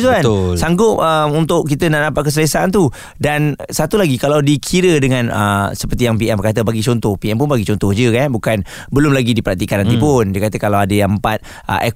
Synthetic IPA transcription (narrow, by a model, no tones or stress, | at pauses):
t̪uansaŋɡʊp̚əmunt̪ʊʔkit̪ənaʔnapaʔ̚k̬əs̬ələsaʔant̪u | dansat̪ulaɡikalawdikʰiɾədəŋãnə̰səpərt̪ijaŋpiɛmbərkat̪əbaɡit͡ʃɔnt̪ɔhpiɛnp̬ʊnbaɡit͡ʃɔnt̪ɔhd͡ʒəkanbukan | bəlʊmlaɡidipəɾak̚t̪ikanɦant̪ipʊndiəkat̪əkalawadəjaəmpat̪̚ | ʔə̰ʔɛ